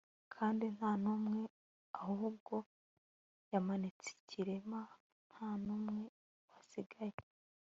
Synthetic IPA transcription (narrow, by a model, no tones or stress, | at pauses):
kʰaːndin̥haːnumŋe̞ | ahuɦubɡo̞ | jamanit͡si̥cʰiɾema | n̥haːnumŋe̞ | βasiɡaje